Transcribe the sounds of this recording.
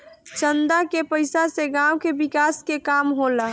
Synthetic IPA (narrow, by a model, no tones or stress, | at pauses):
t͡ʃənd̪akepəɪsaseɡãwkebɪkaːskekaːmɦola